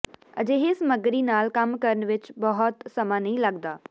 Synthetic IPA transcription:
ɐ̰d͡ʑeːɦɪsmɐɡɾinaːlkɐmkɐɾənʋɪt͡ʃbɐɦɔt̪sɐmanɐĩlɐɡd̪aː

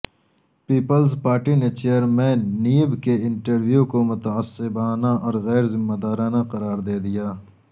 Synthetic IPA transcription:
piːpəlzpaːɾʈinet͡ʃejːəɾmɛ̃ːnːiːəbkeɪ̃ɳʈəɾʋjukomʊt̪ɐəsɪbaːnaɔːɾɣɛːɾzɪmːad̪aːɾaːnaqɐɾaːɾd̪eːd̪ijaː

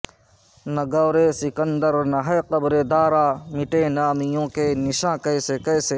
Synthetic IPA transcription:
nɐɡɐːɾesɪkə̃nd̪əɾnɐɦɐjqɐbɾeːd̪aːɾaːmɪʈenaːmijõːkenɪʃãːkɐjsekɐːse

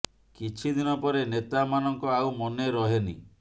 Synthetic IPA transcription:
kit͡ʃʰid̪inɔpɔɾenet̪amanɔŋkɔawmɔneɾɔɦenḭ

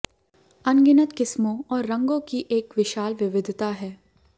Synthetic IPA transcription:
ɐnɡɪnət̪kɪsmõɔːɾːɐ̃ŋɡõkiʔeːkʋɪʃaːlʋɪʋɪd̪ʱt̪aɦɛː

